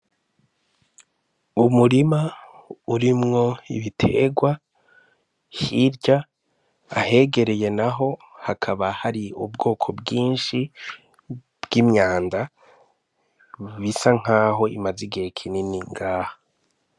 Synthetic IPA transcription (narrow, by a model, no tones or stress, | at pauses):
umuɾima | uɾimŋo̞ḭβitʰe̞̰ɡwa | hiɾɟa | ahe̞ɡe̞ɾeje̞naɦo̞hakʰaβahaɾiubɡo̞ːkʰo̞bɡiːnʃi | b̥ɡimɲaːnda | βisaŋ̥aːɦo̞imaziɡihekʰininiŋɡaːha